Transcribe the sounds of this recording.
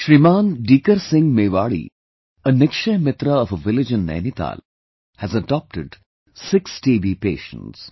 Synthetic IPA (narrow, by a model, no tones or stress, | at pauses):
ʃɾimãːnɖiːkəɾsɪ̃ŋmeːʋaːɭḭ | ənɪkʃɐmɪt̪ɾəɔfəʋɪlɪd͡ʒə̃nːɛ̰ːnit̪a̰ːl | hæzəɖɔːp̚ʈɪɖ | sɪksʈiːʋiːpḛːʃə̰̃ns